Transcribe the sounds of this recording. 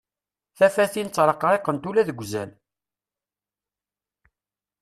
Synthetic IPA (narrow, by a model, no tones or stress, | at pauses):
θæfæθint͡sːɾˤɑqɾˤeqːənt̪ulæðəɡʷːzæn